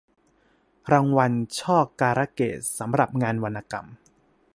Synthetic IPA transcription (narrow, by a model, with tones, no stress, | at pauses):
ɾaː˧ŋwa˧nt͡ɕʰɔː˥˩kkaː˧ɾa˦˧˥kḛː˨˩t̪̚sa˩˦mɾa˨˩p̚ŋaː˧nwa˧nʔaː˧ka̰˧˩m